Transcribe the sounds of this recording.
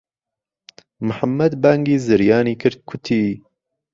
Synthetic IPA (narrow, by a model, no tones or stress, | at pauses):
mɨħamːɐd̪baŋɡiːzɨɾjaːniːkʰɨɾd̪̚kʰʊt̪ʰiː